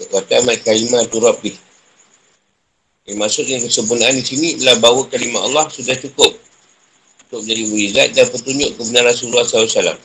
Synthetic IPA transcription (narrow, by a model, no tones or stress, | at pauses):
wat̪amat̪̚kalimat̪uɾap̚ːɪh | imasʊʔŋaŋkəsəmpunaʔandisinit̪əlahbawəkalimaa̰lːɑhsudaht͡ʃukʊp̚ | ut̪ʊk̚d͡ʒadiwuizat̪̚danpət̪uɲd͡ʒʊʔkəbənarasulahsalasala̰m